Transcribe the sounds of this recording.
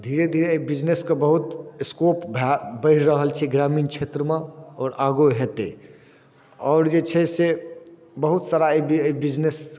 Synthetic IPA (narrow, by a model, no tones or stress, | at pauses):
d̪ʱiɾed̪ʱiɾeibid͡ʒneskebəɦut̪skopbʱbəɪɾɾəɦəlt͡ʃʰɛɡɾamint͡ʃʰet̪ɾəmeɔːɾaɡoɦet̪e | ɔːɾd͡ʒet͡ʃʰɛse | bəɦut̪saɾaebbid͡ʒnes